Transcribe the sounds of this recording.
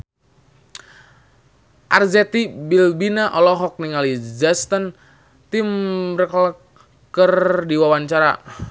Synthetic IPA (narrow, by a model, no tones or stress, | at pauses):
ʔarzɛt̪ibilbinaʔɔlɔɦɔk̚niŋalid͡ʒast̪ən | t̪imrəklə | kərdiwawaɲt͡ʃaɾa̰